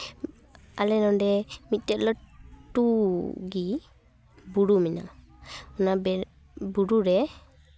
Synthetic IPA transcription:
alɛnɔɳɖɛmit̪̚ˀtɛtlɔʈuɡi | buɽumina̰ | ɔna | buɽuɾɛ

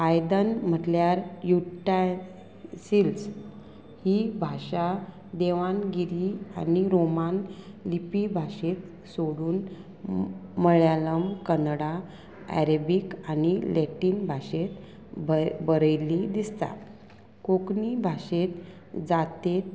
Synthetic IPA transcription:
ajd̪ənm̤əʈljaɾjuʈa | sils | hibʱaɕa | d̪eʋanɡiɾia̰niɾomanlipibʱaɕet̪ | soɽuːn | məɭjaləmkənɽa | æ̰ɾəbikanileʈiːnbʱaɕet̪ | bbəɾəjlid̪ist̪a̰ | koknibʱaɕet̪ | d͡zat̪et̪̚

